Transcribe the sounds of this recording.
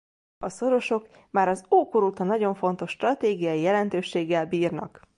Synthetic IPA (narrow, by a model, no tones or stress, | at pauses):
ɒso̞ɾo̞ʃo̞k | maːɾɒzoːkoɾuːt̪ɒnɒɟo̞ɱfo̞nt̪o̞ʃːt̪rɒt̪eːɡijɒjijɛlɛnt̪øːʃeːɡːɛlbiːrnɒ̰k